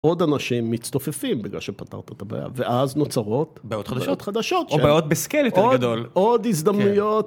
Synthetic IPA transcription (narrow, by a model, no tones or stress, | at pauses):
o̞d̪anaʃimːitst̪ofefimbiɡla̰lʃepat̪a̰ʁt̪at̪aba̰ja̰veʔazno̞t͡saʁo̞t̪bajot̪χad̪aot̪χad̪aʃo̞t̪obajot̪̚beskeletod̪olodizd̪amnujo̞t̪